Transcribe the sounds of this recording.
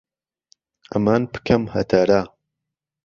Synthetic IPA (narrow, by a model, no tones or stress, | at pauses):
ɐmaːnpɨ̥kʰɐmhɐt̪ʰaɾaː